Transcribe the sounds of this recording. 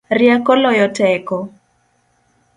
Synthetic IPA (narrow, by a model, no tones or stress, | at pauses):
rjakɔlɔjɔtɛkɔ